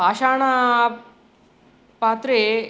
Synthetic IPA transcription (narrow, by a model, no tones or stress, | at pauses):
aːʃaːɳa | paːt̪ɾe